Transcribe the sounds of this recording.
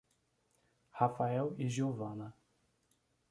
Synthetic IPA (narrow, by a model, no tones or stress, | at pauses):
hafaɛwiʒiovɐ̃nɐ